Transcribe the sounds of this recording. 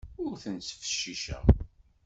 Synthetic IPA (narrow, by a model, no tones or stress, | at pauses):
ʊɾθənt͡səfə̥ʃːiʃæ̰